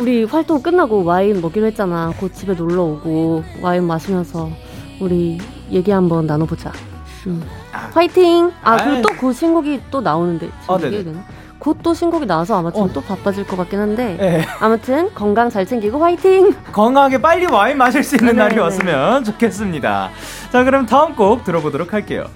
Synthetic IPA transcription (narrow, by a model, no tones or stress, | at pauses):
uɾiɸwaɭtʰok͈ɯnːaɡowaimːʌɡiɾohe̞t̚t͡ɕ͈anakot̚t͡ɕ͈ibe̞noɭːʌoɡowaimːaɕʰimjʌnsʰʌ | uɾi | je̞ɡiɦambʌnːanobod͡ʑa | ɯ | ɸwaitʰiŋakɯt͈okɯɕʰinɡuɡit͈onaonɯnde̞̰t͡ɕiene | kot͈oɕʰinɡuɡinaasʰʌamatʰɯnt͈opap͈ad͡ʑiɭk͈ʌk͈ak͈enɦande̞amutʰɯnkʌŋɡaŋt͡ɕaɭsʰe̞ŋɡiɡoɸwaitʰiŋkʌŋɡaŋɦaɡe̞p͈aʎːiwaimːaɕ̬ʰiɭs͈uinːɯnːaɾiwas͈ɯmjʌnt͡ɕokʰe̞s̬͈ɯmɲida̰ | t͡ɕakɯɾʌmtaɯmk͈ok̚tɯɾʌbodoɾokʰaɭk͈e̞̰jo̰